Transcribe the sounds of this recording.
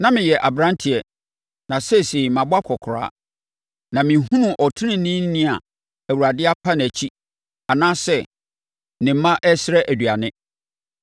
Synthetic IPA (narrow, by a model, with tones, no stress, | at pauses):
nã˦mɪ̃˨jɛ˨ʔa˨bɾã˦ntʰɪ˨ɛ˨ | nã˨sɛ˦se˨mã˨bʊ˦a˦kʰɔ˨kʰʊ˨ɾa̰ː˦ | nã˨mɪ̃˨˦ɦũ˦nũ˦˨ʔɔ˨tʰɪ˦nɪ̃˦˨nĩ˦n˦nɪ̃˦a˨ | æ˨wu˨ɾa˨dɪ˦a˦pʰa˦ñ˨æ˨t͡ɕʰi˦ | a˨nãː˦sɛ˦˨ | nɪ̃˨m˦mã˦ʔɛ˦sɪ˦ɾɛ˦ʔæ˨dɥa˨nɪ̃˦